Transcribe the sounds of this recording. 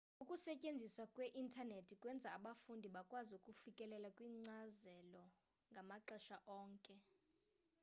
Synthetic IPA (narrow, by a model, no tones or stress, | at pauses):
ukʼusɛcʼend͡zʱiswakʼweʔintʰʼanetʰikʼwɛnd͡zʱaaɓafundʱiɓakʼwaziukʼufikʼɛlɛlakʼwiːŋ͡ǀazɛlɔ | ŋɡʱamaǃɛʃaʔɔːŋkʼɛ